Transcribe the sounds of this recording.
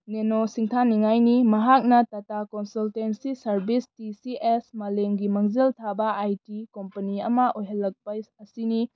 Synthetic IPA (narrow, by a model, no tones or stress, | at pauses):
nenosiŋtʰaniŋajnimɐɦak̚nɐtatakonsultensisɐɾbistisiʔesmɐleŋɡimaŋzɐltʰabɐʔajtikompɐniɐmɐʔojɦɐlːɐk̚pɐɐsini